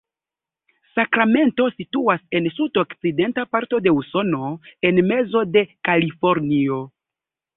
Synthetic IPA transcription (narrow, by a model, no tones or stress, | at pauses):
sakɾame̞nto̞situase̞nsudokt͡side̞ntapaɾto̞de̞uso̞no̞e̞nme̞zo̞de̞kalifoɾnio̞